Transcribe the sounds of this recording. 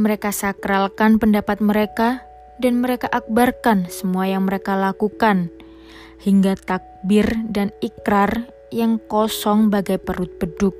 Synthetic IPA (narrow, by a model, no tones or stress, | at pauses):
məɾekasakɾalkanpəndapat̪̚məɾeka | danməɾekaʔak̚barkansəmuajaŋməɾekalakukan | hiŋɡat̪ak̚bɪrdanikɾar | jaŋkɔsɔŋbaɡajpəɾʊt̪̚bədʊk̚